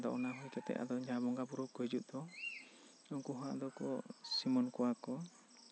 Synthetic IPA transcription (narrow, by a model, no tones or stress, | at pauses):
d̪ɔʔɔnaɦujkɛt̪ɛ̰ʔa̰d̪ɔd͡ʒabɔŋɡapuɾɔkɔjd͡ʒuʔd̪ɔ | uŋkuɦaʔd̪ɔkɔ̰simɔnkɔwakɔ